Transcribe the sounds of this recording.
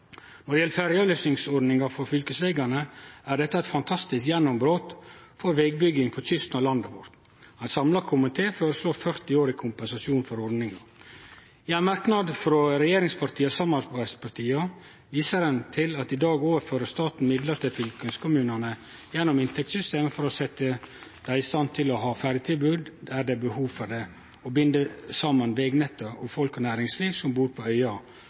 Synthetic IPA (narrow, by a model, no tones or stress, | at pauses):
nɔɖɛjɛləfæɾɪɑløːsnɪŋsɔɾɖnɪŋɑfɔɾfʏlkəsʋeːɡɑɳəæɖɛt̪ːəæɛt̪fɑnt̪ʰɑst̪ɪskjɛnːɔmbɾoːt̪fɔɾʋɛɡ̚bʏɡɪŋpʰɔt̪ʏst̪nɔlɑnd̪əʋɔɾt̪ | hɑnsɑmlɑkʰʊmɪt̪ʰeːføːɾəsloːɾfœɾt̪ɪoːɾɪkʰʊmpɛnsɑsjuːnfɔɾɔɾnɪŋɑ | ɪænmɑɾknɑd̪fɾɔɾɛjeːɾɪŋspʰɑɾt̪ʰiːəsɑmɑbæspʰɑɾt̪ʰiːɑ | ʋiːsəɾənt̪ʰɪlɑt̪ɪd̪ɑːɡoːʋəɾføːɾəst̪ɑːt̪n̩mɪd̪ləɾt̪ʰɪlfʏlkənskʰʊmʉːnənə | jɛnːʊmɪnt̪ʰɛkt̪sʏst̪eːməfɔɾɔsɛt̪ːəd̪̥æɪɪst̪ɑnt̪ʰɪlɔɦɑːfæɾət̪ʰɪlbʉːd̪d̪æɖ̪ɛæbəhuːʋfɔɾɖ̪ɛ | ɔbʏnd̪əsɑmːənʋɛːɡnɛt̪ːəʔɔfɔlkɔnæːɾɪŋsliːʋsɔmbuːɾpʰɔœʏɑ